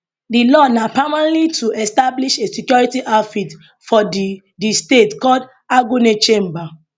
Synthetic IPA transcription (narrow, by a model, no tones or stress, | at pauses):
dilɔnapamalitʰuʔɛstabliʃesikjɔɹitiʔafit | fɔd | distetkɔd | aɡunet͡ʃẽmba